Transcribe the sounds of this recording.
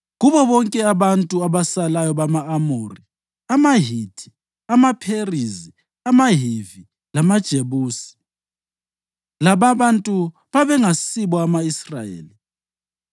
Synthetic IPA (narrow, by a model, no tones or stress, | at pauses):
ɣuβɔβɔŋkʼɛaβantʼuaβasalajɔβamaːmori | amaɦid̥ʰʱi̥ | amapʰerizi | amaɦivi | lamad̥ʒ̥ʱeβuːsi̥ | laβaβantʼu | βaβɛŋasiβɔamaisrajḛːli